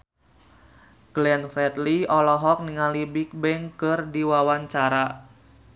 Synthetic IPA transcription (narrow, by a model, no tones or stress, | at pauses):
ɡ̥lɛnfɛt̪liɔlɔɦɔk̚niŋalibik̚bɛŋkɨrdiwawaɲt͡ʃaɾa